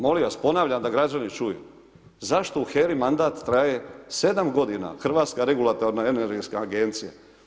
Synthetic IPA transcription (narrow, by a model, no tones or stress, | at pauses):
mo̞liʋaspo̞naːʋʎamd̪aɡɾad͡ʑanit͡ʃujṵ | zaʃt̪o̞uxeɾimand̪aːt̪ːɾaje̞se̞d̪amɡo̞d̪ina̰xr̩ʋaːt̪skaɾe̞ɡulˠat̪oɾnaeneɾɡeskaːɡe̞nt̪sija̰